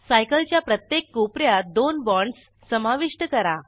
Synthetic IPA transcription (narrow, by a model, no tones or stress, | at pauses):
sajkəlt͡ɕjapɾət̪jekːopɾjad̪onbɔɳɖsːəmaʋiʂʈəkəɾa